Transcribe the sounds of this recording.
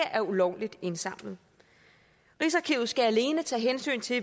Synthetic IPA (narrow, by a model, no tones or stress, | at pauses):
ɐʔæɐulɒʊ̰lid̥e̝nsɑ̈m̰lð̩ˠ | ʁisɐkʰiːʊð̩ˠsɡ̥ææle̝ːnət͡sʰɛ̰ːɦensy̰ːnt͡sʰe̝